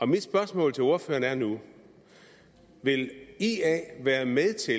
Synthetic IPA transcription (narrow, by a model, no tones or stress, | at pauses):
ɒ̽mid̥sb̥ɶɐsmɔ̰̽ːlt͡sʰe̝o̝ɐfø̰ːɐnæɐnu | ʋe̝liɛ̰ʋæːɐmeðˠt͡sʰe̝